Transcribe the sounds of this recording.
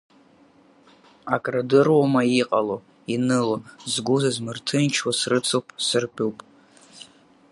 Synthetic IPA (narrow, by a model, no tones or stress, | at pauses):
akʼradɨrwamaiqʼalo | inɨlozɡʷuzazmɨrtʰɨnt͡ʃʰwasrɨt͡sʰowpʼsɨrpʰʼuwpʼ